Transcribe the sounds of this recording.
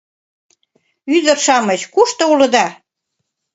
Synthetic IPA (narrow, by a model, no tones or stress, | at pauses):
yd̪ə̆rʃɑmət͡ɕkuʃt̪ɤ̆ulɤ̆d̪ɑ